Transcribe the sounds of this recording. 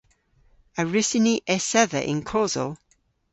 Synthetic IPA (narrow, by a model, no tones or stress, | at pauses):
əɹɪsɪniʔɛsɛðə̰ʔɪ̰̃nkʰɔːzə̰lˠ